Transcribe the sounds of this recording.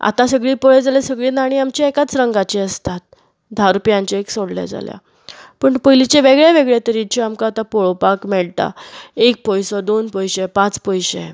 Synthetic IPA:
a̰t̪ãsəɡɭiːpoɭed͡zalesəɡɭiːnaɽ̃iamt͡ɕiekat͡sɾəŋɡat͡ɕiəst̪at̪̚ | d̪ʱaɾupjãɲt͡ɕaeksoɽlja̰d͡za̰lja̰ | pəːɳpəjlit͡ɕeʋeɡɭaʋeɡɭat̪əɾit͡ɕiamkaːt̪apoɭopakmɛɭt̪a̰ek̚pəjsɔd̪onpəjɕepãt͡spəjɕḛ

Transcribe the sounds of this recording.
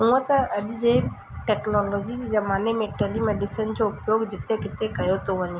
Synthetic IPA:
ɦũːə̃t̪əɐɗd͡ʒe | ʈeːknɔːlɔːd͡ʑid͡ʑezɐmaːnemẽʈelimeːɖɪsənd͡ʑoʊpjoːɡd͡ʑɪt̪ːekɪt̪ekɐjot̪ʰoʋɐɲe

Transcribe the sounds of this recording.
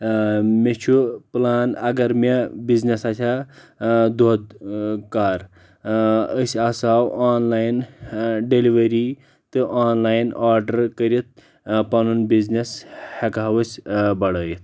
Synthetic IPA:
met͡ʃʰuplaːnɐɡɐɾmʲebiznesat͡ʃʲʰa | d̪oːd̪kaːɾ | əsaːsaːwaːnlajnɖeliʋɐɾi | t̪ɨʔaːnlaːjnaːɾɖɐɾkɐɾit̪̚ | pɐnunbizneshɐkaɦɐwɐsʲbɐɽɐːjit̪̚

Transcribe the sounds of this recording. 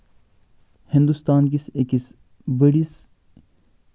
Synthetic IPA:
hĩnd̪ust̪aːnkisekis | bɐɽis

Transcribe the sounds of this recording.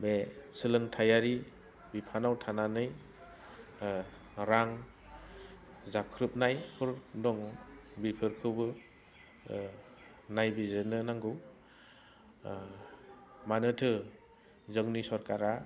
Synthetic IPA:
besɯlɯŋtʰajaɾi | bipʰanawtʰananɯj | ɾaŋ | zakʰɾɯp̚najpʰɯɾdɔŋbipʰɯɾkʰɯbɯ | najbizɯnɯnaŋɡɯw | manɯtʰɯ | zɯŋnisɔɾkaɾa

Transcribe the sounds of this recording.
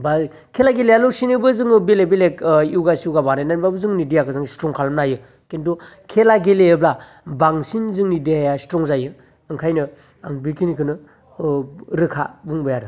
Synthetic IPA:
ba | kʰelaɡelejalosinibɯzɯŋɯbelebelekiwɡasiuwɡabanajnanibabɯzɯŋnidijakʰɯzɯŋstɾɔŋkʰalmnajɯ | kentu | kʰelaɡeleɯbla | baŋsinzɯŋnidehajastɾɔŋzajɯ | ɯŋkʰajnɯ | aŋbikʰinikʰɯnɯ | ɾɯkʰa̰buŋbɯjaɾɯ

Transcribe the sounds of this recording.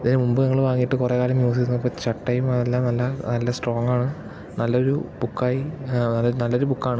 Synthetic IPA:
ɐðinemumbɨnɐŋːɐɭʋaːŋːijiʈːɨkurekaːlɐmjuːs̬ikɾunɐðɐpːɐːt͡ɕɐʈʈːɐjmɐðelːaːmnɐlːɐnɐlːɐsʈro̞ːŋːaːɳɨ | nɐlːɐo̞ɾṵb̥ukːaːjinɐlːnɐlːo̞ɾubukːaːɳɨ

